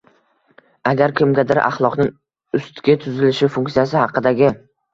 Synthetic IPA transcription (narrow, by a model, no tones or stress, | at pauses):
aɡʲaɾkʲʰɪmɡʲad̪ɪɾʔa̰χlˠɒqnɪŋ | ʊst̪ɡʲat̪ʰʊzɪlɪʃɪfʊŋkʲtsijas̬ɪhɑqɨd̪aɡʲɪ